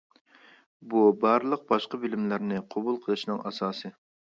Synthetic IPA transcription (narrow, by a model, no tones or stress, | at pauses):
bubɑɾlˠəq̚bɑʃqɑbɪlɪmlɪɾnɪqʰobulˠqʰəlˠɨʃnɨŋɑsɑːsɨ